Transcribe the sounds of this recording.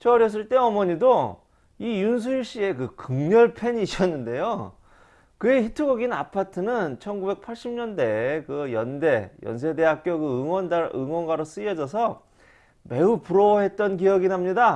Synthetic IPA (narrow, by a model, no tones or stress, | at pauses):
t͡ɕʰʌɾjʌs̬͈ɯɭt͈e̞ʌmʌɲido | ijuns̬ʰujiɭɕ͈ie̞kɯkɯŋɲʌɭpʰe̞ɲiɕ͈ʌnːɯnde̞jo | kɯe̞çitʰɯɡoɡina̰pʰatʰɯnɯnt͡ɕʰʌnɡube̞k̚pʰaɭɕ͈imɲʌnde̞kɯjʌnde̞jʌ̰ns̬ʰe̞deɦak̚k͈joɡɯɯŋwʌndaɯ̰ŋwʌnɡwaɾos͈ɯʌd͡ʑʌs̬ʰʌ | me̞upuɾoɦe̞t̚t͈ʌnkijʌɡinɦamɲida